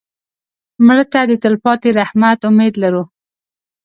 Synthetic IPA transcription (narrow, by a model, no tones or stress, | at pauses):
mɽət̪ad̪ət̪əlpɑt̪eɾahmat̪ʊmed̪laɾu